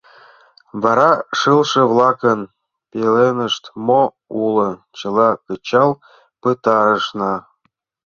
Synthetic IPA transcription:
vɑɾɑʃɨlʃə̆vlˠɑkən | pʲelenə̆ʃt̪mo | ulɤ̆t͡ɕə̆lˠɑkət͡ɕɑlˠ | pɨt̪ɑɾə̆ʃnɑ

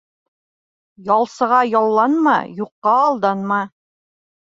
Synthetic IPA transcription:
jɒlˠsɤ̆ʁɑjɒlˠːɑnmɑ̰juqːɑːlˠd̪ɑnmɑ

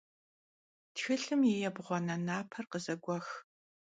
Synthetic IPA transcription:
txɨɬɨmjɛjɛbʁʷɔnɐnaːpʰɐrqəzɐɡʷɔx

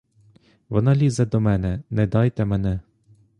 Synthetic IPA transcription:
ʋɔnɑlʲizɛd̪ɔmɛnɛnɛd̪ɑjt̪ɛmɛnɛ

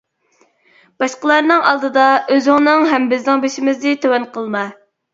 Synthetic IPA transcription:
b̥ɑʃqəlˠɑɾnɨŋɑlˠd̪ɨd̪ɑøzɪŋnɨŋɦɛmbɪznɪŋbeʃimɪznɪt̪ʰøwɛnqʰəlˠmɑ

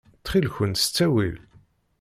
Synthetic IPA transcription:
t͡sːχilçənst͡sːæwil

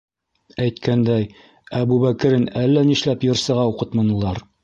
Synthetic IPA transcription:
æjt̪kænd̪æj | æbuβækɘ̆ɾɘnælːæniʃlæpjɤ̆ɾsɤ̆ʁɑuqɤt̪mɑnɤ̆lˠɑɾ

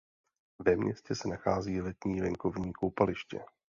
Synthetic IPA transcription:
vɛmɲɛscɛsɛnaxaːziːlɛt̪ɲiːvɛŋko̞vɲiːkowpalɪʃcɛ̰

